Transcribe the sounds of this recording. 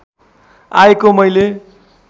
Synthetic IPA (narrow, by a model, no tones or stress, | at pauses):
ajkomʌjle